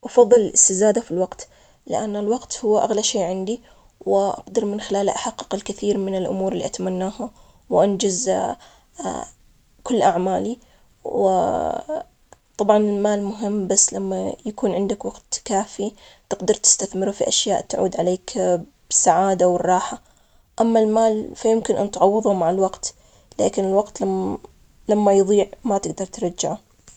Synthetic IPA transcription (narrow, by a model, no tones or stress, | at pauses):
ʔɑfɑðˤːɨlɪlʔɪst̪ɪzaːd̪afilwɑqt̪ | lɪ̰ʔanːɪlwɑqt̪hʊwːaʔaɣlaʃeːʕɪnd̪i | wɪʔɑ̰qd̪ɑɾˤmɪnxɪlaːlaʔaħɑqːɨ̥qɪlkɪθiːɾmɪnɪlʔʊ̰muːɾɪlːḭʔat̪amanːaːha | wʔand͡ʒaz | kʊlːʔaʕmaːli | wɪ̰ | t̪ˤɑbʕɑnɪlmaːlmʊɦɪmːbasːlamːajakuːnʕɪnd̪akwɑɡt̪kaːfi | t̪ɪɡd̪ɑɾˤt̪ɪ̥st̪aθmɪɾufiʔaʃjaːʔt̪ʕṵːd̪ʕaleːk | b̥ɪsaʕaːd̪awɪrˤːɑːħa | ʔamːalmaːlfajɪmkɪnʔant̪ʕɑwːɨðˤumaʕalwɑɡt̪ | la̰ːkɪnɪlwɑɡt̪la | lamːajðˤiːʕmat̪ɪɡ̚d̪ɑɾˤt̪ɾˤɑd͡ʒːaʕa